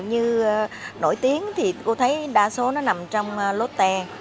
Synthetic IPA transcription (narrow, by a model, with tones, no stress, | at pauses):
ɲɨ˧no̰˧˩jt̪i˨˦əŋt̪ʰi˨˩ko˧t̪ʰə˨˦jɗaː˧so˨˦nɔ˨˦na˨˩mt͡ɕɔ˧wŋ͡mlo˨˦˥t̚t̪ɛ˧